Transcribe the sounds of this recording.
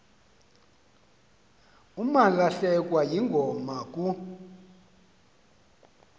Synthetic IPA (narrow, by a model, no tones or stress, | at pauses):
umalaɬɛkʼwajiŋɡʱɔmak̬ʼu